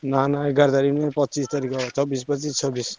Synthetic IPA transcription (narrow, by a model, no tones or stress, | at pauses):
nanaeɡaɾd̪aɾinepɔt̪ːt͡ʃist̪aɾikɔt͡ʃʰɔbispʌt͡ʃist͡ʃʰɔbis